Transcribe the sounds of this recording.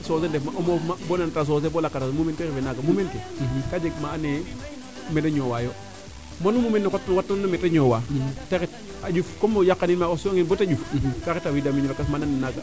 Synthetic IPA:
sosendefmaʔomomabonantas̬oːs̬ebolakatasmumenteɣefenaɡamumentekad͡ʒeɡmaːne | medaɲowajo | monumumenːokotːnkatːametaɲowateket̚ | ad͡ʒufkomojakːaninmaosoŋinbotad͡ʒufkaketawidamiɲakasmananinaɡa

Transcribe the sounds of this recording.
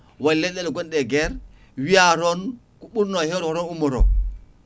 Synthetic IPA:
walɛdɛluɡɔndɛɡɛɾ | wiaɾɔn | kuɓuɾnoheɾɾɔnumɔɾo̰

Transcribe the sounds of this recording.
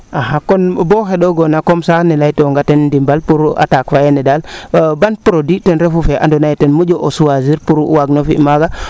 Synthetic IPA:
aɦakonboxeɗoɡonakomsanilajtoŋɡatendimbalpuɾua̰takfajenɛdalbanpuɾoditenɾefufeʔa̰ndonajtenmud͡ʒoʔosuwaziɾpuɾwaɡnofḭmaɡa

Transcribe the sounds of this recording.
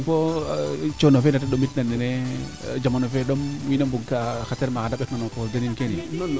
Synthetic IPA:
po | t͡ʃonofenataɗomitnanːene | d͡ʒamanofeɗomwinambuɡkaxateɾmakandaɓɛknanokodaninkeni

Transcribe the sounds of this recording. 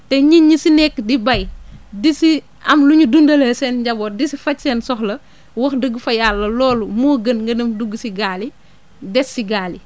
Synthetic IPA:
tɛɲiɲisinɛkːdibɐjdisi | ɐmluɲudundɐləsɛːnɟɐbɔːdisifɐcsɛːnsɔxlɐ | wɐxdəɡfɐjalːɐlɔːlumuːɡənŋɡɐnəmduɡːsiɡaːli | dɛsːiɡaːli

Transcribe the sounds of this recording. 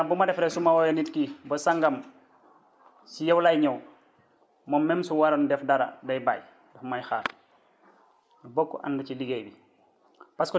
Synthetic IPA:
ɐbumɐdɛfɾɛsumawɔjɛnitkibɐsaŋɡɐm | sijɛwlajɲɔw | mɔmːɛmsuwaɾɐndɛfdɐɾɐ̰dɐjba̰ːj | dɐfmajxa̰ːɾ | dubɔkːɔ̰ʔa̰ndut͡ʃiliɡejbi | paskɔ

